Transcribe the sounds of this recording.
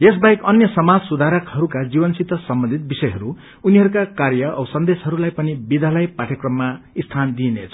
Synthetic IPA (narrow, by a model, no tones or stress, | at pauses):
es̬bajkʌnjʌsʌmad͡zsud̪ʱaɾʌkhʌɾukad͡zibʌnsit̪ːʌsʌmbʌnd̪ʱit̪̚bisʌjɦʌɾu | uniɦʌɾukakarjʌʔsʌnd̪esɦʌɾulajpʌnibid̪ʱalajpaʈʰjʌkrʌmːaist̪ʰand̪inḛt͡sʰʌ